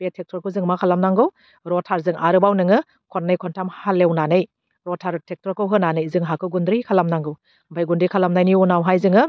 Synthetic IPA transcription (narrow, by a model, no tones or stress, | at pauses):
betʰek̚tʰɔɾkʰɯzɯŋmakʰalamnaŋɡɯw | ɾɔtʰaɾzɯŋʔaɾɯbawnɯŋɯ | kʰɔt̚nɯjkʰɔntʰamhalewnanɯj | ɾɔtʰaɾtʰek̚tɾɔɾkʰɯwɦɯnanɯjzɯŋɦakʰɯɡundɾɯkʰalamnaŋɡɯw | mbʰʱajɡundikʰalamnajniunawɦajzɯŋɯ